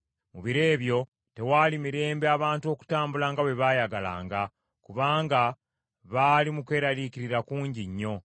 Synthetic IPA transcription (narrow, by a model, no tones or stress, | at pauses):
muβiɾe̞ːβjo̞ | te̞waːlimiɾe̞ːmbeaβaːntuo̞ːku̥taːmbulaːŋɡaβe̞βaːjaɡala̰ːŋɡa | kuβaːŋɡa | βalimukwe̞ːɾaliciɾiɾakuːɲɟiɲːo̞